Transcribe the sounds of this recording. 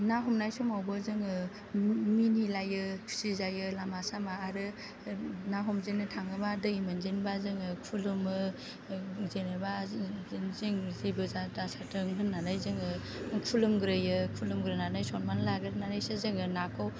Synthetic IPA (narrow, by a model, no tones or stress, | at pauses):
naɦɔmnajsɔmawbɯzɯŋɯ | minilajɯ̥sizajɯlamasamaːɾɯ | naɦɔmzenɯtʰaŋɯbadɯimanzenbazɯŋɯkʰulumɯ | zenɯba | ziŋzibɯzadasatɯŋɯnːanajzɯŋɯ | kʰulumɡɾɯjɯkʰulumɡɾɯnanajsɔnmanlaɡɯɾnanajsɯzɯŋɯnakʰaw